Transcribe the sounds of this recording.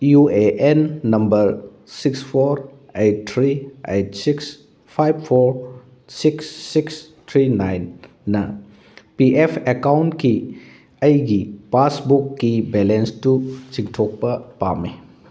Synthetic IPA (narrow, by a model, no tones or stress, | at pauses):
jueʔenːɐmbɐɾ | sikspʰoɾ | ejt̚tʰɾiejt̚siks | pʰajb̚pʰoɾ | siksːiks | tʰɾinajnː | ɐ | piʔepʰekawntki | əjɡipasbukːibelenstut͡ʃiŋtʰok̚pɐpame